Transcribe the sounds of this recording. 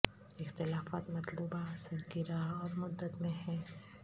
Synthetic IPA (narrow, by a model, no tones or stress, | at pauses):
ɪxt̪ɪlaːfaːt̪mɐt̪lubasəɾkiɾaɦɔːɾmʊd̪ːət̪mẽɦɛ̃ː